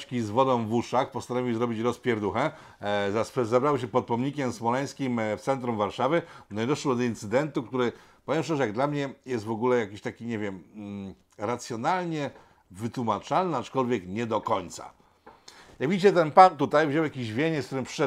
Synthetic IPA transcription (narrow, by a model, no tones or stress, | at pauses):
t͡ɕkʲizvɔd̪ɔ̃w̃vuʂaxpɔst̪anɔvʲiwzɾɔbʲit͡ɕɾɔspʲjɛɾd̪uxɛ | zaszabɾawɕ̬ɛpɔt̪̚pɔmɲikʲɛmsmɔlɛj̃skʲimft̪sɛnt̪ɾumvaɾʂavɘnɔɲid̪ɔʂwɛd̪ɔint̪sɘd̪ɛnt̪ukt̪uɾɘpɔvʲjɛmʂɛʐɛjaɡd̪lamɲɛjɛst̪vɔɡulɛjakʲiɕt̪akʲiɲɛvʲjɛm | ɾat̪sʲjɔnalɲɛ | vɘt̪wumat͡ʂalnɘat͡ʂkɔlvʲjɛkɲɛd̪ɔkɔɲt̪sa̰ | jaɡvʲid͡ʑit͡ɕɛt̪ɛnpat̪ut̪ajvʑɔwjakʲiʑvʲjeɲɛskt̪uɾɘmpʂɛ